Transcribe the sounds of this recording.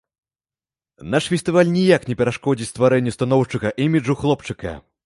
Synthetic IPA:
naʂfʲɛst̪ɨvalʲnʲijaknʲɛpʲɛɾaʂkɔd͡zʲit͡sʲst̪vaɾɛnʲːust̪anɔwʂt͡ʂɨɣɐʔimʲiʐuxlˠɔpt͡ʂɨkɐ̰

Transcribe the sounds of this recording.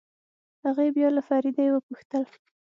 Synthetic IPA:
haɣebjɑlafɑɾid̪ajewəpuxt̪əl

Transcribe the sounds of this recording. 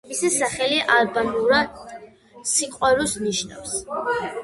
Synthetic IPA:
misisaχɛliʔalbamuɾad̪ | siqʼwɛɾusniʃna̰fs

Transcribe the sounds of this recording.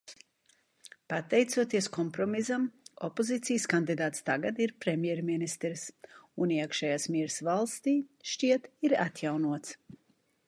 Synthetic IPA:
pat̪ɛjt̪suɔt̪iɛskɔmpɾɔmizamɔ̰pozit̪sijskand̪id̪aːt̪st̪aɡad̪iɾpɾɛmʲjɛɾminist̪ɾsuniɛkʃɛjaːsmiɛɾsvalˠst̪iːʃt͡ʃiɛt̪iɾa̰t̪jawnuɔt̪s

